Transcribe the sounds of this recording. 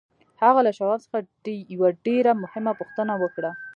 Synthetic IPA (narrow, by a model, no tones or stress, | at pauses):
haɣalaʃawalsə̥xadejwaɖeɾamʊhɪmapʊxt̪ənawəkɽa